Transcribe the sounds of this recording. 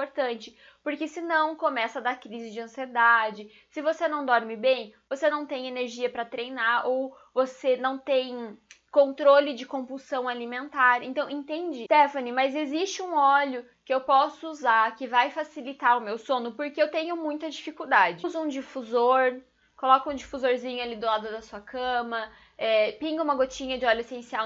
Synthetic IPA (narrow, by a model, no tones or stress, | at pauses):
poɾt̪ɐ̃nt͡ʃɪ̥ | poɾkɪsɪnɐ̃w̃komɛsɐd̪ɐkɾizɪd͡ʒɪɐ̃sied̪ad͡ʒɪ | sɪvosenɐ̃w̃d̪ɔɾmɪbẽj̃vosenɐ̃w̃t̪ẽj̃eneɾʒiɐpɾɐt̪ɾejnaɾow | vosenɐ̃w̃t̪ẽj̃ | kõnt̪ɾolɪd͡ʒɪkõpusɐ̃w̃alimẽnt̪aɾḛ̃nt̪ɐ̃w̃ẽnt̪ẽnd͡ʒɪst̪ɛfɐnimɐzezist͡ʃɪũɔʎʊ | kɪewpɔsʊuzaɾkɪvajfasilit̪aɾʊmewsõnʊpoɾkeewt̪ẽɲʊmũj̃t̪ɐd͡ʒifikuwd̪ad͡ʒɪzʊũd͡ʒifuzoɾ | kolɔkɐũd͡ʒifuzoɾzĩɲʊalid̪ʊlad̪ʊd̪ɐsuɐkʰɐ̃mɐ | ɛpĩŋɡɐũmɐɡot͡ʃĩɲɐd͡ʒɪɔlʊesẽsiaw